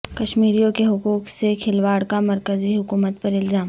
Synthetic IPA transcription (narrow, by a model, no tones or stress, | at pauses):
kɐʃmiːɾijõkeɦʊkuːksekʰɪlʋaːɽkamɐɾkəziɦʊkuːmət̪pɐɾɪlzaːm